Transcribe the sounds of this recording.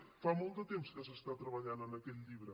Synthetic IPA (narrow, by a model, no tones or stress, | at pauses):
famɔlˠd̪ət̪emskəsəst̪at̪ɾəβəʎanənəkɛʎʎiβɾə